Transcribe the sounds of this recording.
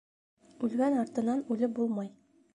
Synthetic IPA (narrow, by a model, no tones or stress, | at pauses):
ʉlɡænɒɾt̪ɤ̆nɑnʉlɘbulˠmɑj